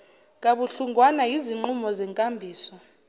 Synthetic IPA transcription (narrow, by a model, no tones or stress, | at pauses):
k̬ʼaɓuɬuŋɡwanaiziŋ͡ǃumɔzɛŋkʼambʱiːsɔ